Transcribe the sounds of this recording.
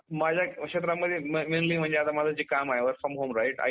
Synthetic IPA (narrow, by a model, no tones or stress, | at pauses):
mad͡ʑʱjakɕet̪̬ɾamːəd̪ʱjemmenliːm̤əɳd͡ʑeat̪amad͡zad͡ʑiːkamajʋəɾfɾəmɦoːmɾajʈa̰